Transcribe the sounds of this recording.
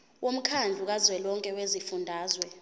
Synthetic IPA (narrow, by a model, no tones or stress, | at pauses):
wʔom̩kʰand͡ɮʱuk̬azwɛlɔŋkʼɛwezifundʱaːzwɛ